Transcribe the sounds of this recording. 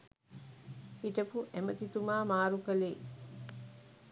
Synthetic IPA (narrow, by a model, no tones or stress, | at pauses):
iʈəpuʔemət̪it̪umaːmaːɾukəleː